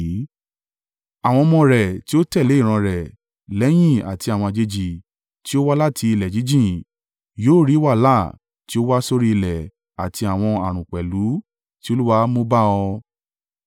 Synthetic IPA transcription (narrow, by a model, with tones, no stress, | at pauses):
a˨w̃ɔ̃˧mɔ̃˧ɾɛ˨ti˦o˦tɛ˦˨le˨˦i˦˨ɾ̃ã˧ɾɛ˨ | lɛ˨˦j̃ĩ˦˨a̰˨ti˧a˨w̃ɔ̃˧a˧˨d͡ʒe˧d͡ʒi˨ | ti˦o˦wa˦la˦˨tʰi˧i˧lɛ˨d͡ʒi˨˦d͡ʒĩ˦˨ | joː˦˨ɾi˨˦wa˦˨la˦˨ | ti˦o˦wa˦so˧ɾi˦˧i˧lɛ˨ | a˨ti˧a˨w̃ɔ̃˧a˨ɾ̃ũ˨k͡pɛ˨lu˨˦ | ti˦o˧˦lu˦wa˦mo˦ba˦ɔ˧